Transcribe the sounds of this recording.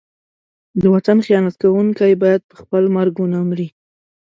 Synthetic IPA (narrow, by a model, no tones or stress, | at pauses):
d̪əwat̪anxijɑnat̪kawuŋkajbɑjad̪̚pəxpəlmaɾɡunamɾi